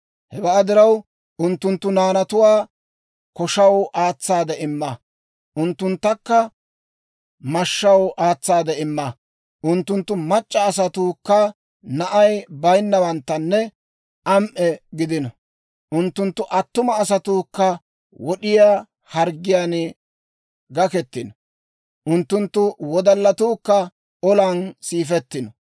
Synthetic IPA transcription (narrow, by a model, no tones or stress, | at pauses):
hɛbɐːd̪ɪɾɐw | ʔʊnt̪ːʊnt̪ːʊnaːnɐt̪ʊwaː | kɔʃɐwʔaːt͡sːaːd̪ɛʔɪmːɐ | ʔʊnt̪ːʊnt̪ːɐkːɐ | mɐʃːɐwʔaːt͡sːaːd̪ɛɪmːɐ | ʔʊnt̪ːʊnt̪ːʊmɐt͡ʃʼːɐːs̬ɐt̪uːkːɐ | nɐʔɐjbɐjnːɐwɐnt̪ːɐnːɛ | ʔɐmʔɛɡɪd̪ɪnɔ | ʔʊnt̪ːʊnt̪ːʊʔɐt̪ːʊmɐːs̬ɐt̪ukːɐ | wɔɗɪjaː | hɐɾɡɪjaːn | ɡɐkɛt̪ːɪnɔ | ʔʊnt̪ːʊnt̪ːʊwɔd̪ɐlːɐt̪uːkːɐ | ɔlɐnsiːfɛt̪ːɪnɔ